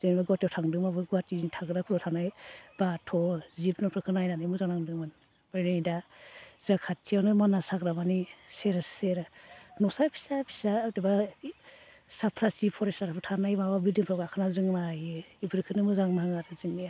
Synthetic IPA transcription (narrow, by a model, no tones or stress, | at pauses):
zɯnbaɡatɔwtʰaŋdɯmabɯɡatintʰaɡɯɾakʰuɾɔtʰanajb̥atʰɔzipnɔpʰɾɯkʰɯnajnanɯmuzaŋnaŋdɯman | baɾinɯdazakʰatʰiawnɯmanasaɡɾabaniseɾaseɾanɔsapʰi̥sapʰi̥sateba | sapʰɾasipʰɔɾestaɾapʰɯtʰanajmawabidiŋpʰɾɔɡakʰɯnazɯŋnajɯibɯɾkʰɯnɯmɯzaŋnaŋaɾɯzɯŋni